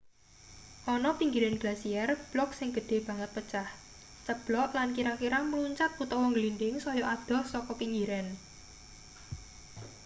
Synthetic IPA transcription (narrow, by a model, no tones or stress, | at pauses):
ʔɔnɔpiŋɡiɾɛnɡ̥lasiɛrb̥lɔk̚sɪŋɡ̥ə̤ɖ̪̥e̤b̥a̤ŋət̪̚pət͡ʃah | t͡ʃəb̥lɔʔlankiɾakiɾaməluɲt͡ʃat̪̚put̪ɔwɔŋɡlindɪŋsɔjɔʔad̪̥ɔ̤sɔkɔpiŋɡiɾɛn